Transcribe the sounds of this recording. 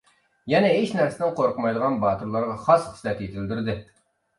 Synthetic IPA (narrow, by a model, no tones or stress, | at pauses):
jɛnɛɦeʃnæɾsɪd̪ɪnqʰoɾqʰmɑjd̪əʁɑnbɑːt̪uɾlˠɑɾʁɑχɑsχə̥slɛt̪jet̪ʰɪld̪yɾd̪ɪ